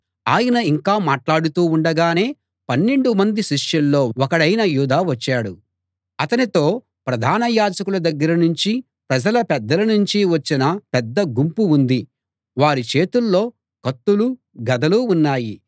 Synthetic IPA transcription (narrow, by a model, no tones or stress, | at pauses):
aːjɐnɐiŋkaːmaːʈlaːɽut̪uːuɳɖɐɡaːne̞ː | pɐnːe̞ɳɖumɐnd̪iʃiʂjɐlːo̞ːɔkɐɽɐjnɐjuːd̪aːʋɐt͡ʃːaːɽu | ɐt̪ɐnit̪o̞ː | pɾɐd̪ʱaːnɐjaːd͡ʒɐkulɐd̪ɐɡːɐɾɐnuɲt͡ʃi | pɾɐd͡ʒɐlɐpɛd̪ːɐlɐnuɲt͡ʃiʋɐt͡ʃːinɐpɛd̪ːɐɡumpuund̪i | ʋaːɾit͡ʃe̞ːt̪ulːo̞ː | kɐt̪ːulu | ɡɐd̪ɐluːnːaːji